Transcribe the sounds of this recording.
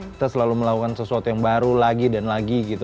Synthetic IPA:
kit̪asəlaluməlakukansəsuat̪ujaŋbaɾulaɡidanlaɡiɡit̪u

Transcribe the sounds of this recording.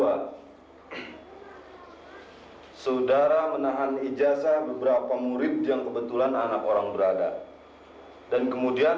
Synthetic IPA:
a | səudaɾamənaɦanid͡ʒasahbəbəɾapamuɾɪp̚jaŋkəbət̪ulananakoɾaŋbəɾada̰ | dankəmudia

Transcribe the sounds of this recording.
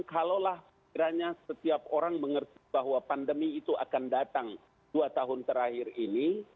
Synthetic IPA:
kalolahsəkiɾaɲasət̪iap̚oɾaŋməŋərt̪ibaɦwapandəmiːt̪uʔa̰kandat̪aŋ | duat̪aɦʊnt̪əɾahɪrini

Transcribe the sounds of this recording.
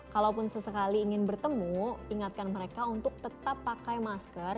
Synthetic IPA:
kalawpʊnsəsəkaliːŋɪnbərt̪əmuiŋat̪̚kanməɾekaunt̪ʊk̚t̪ət̪apːakajmaskər

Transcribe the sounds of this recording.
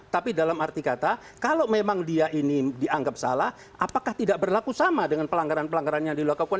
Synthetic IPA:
t̪apidalamart̪ikat̪a | kalowmemaŋdiaʔinidiaŋɡap̚sa̰lah | ʔapakaht̪idaʔbərlakusamadəŋanpəlaŋɡaɾanpəlaŋɡaɾanjaŋdiluakakuan

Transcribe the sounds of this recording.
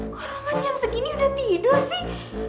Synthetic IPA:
kɔɾɔmaɲt͡ʃaŋsəkiniudaht̪idɔrsɪh

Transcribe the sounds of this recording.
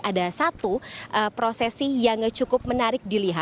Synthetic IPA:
ʔadasat̪uʔəpɾosɛsijaŋt͡ʃukʊp̚mənaɾɪk̚diliɦa

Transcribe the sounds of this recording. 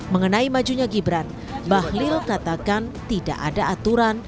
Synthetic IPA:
məŋənaimad͡ʒuɲaɡibɾan | bahlɪlkat̪akant̪ida̰ʔa̰daat̪uɾan

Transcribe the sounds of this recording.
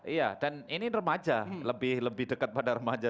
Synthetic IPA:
ijadaninirəmad͡ʒaləbɪhləbɪhdəkət̪̚padaɾəmad͡ʒa

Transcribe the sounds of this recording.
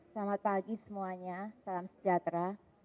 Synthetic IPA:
samapaɡisəmuaɲasalamsə̥d͡ʒat̪ɾa

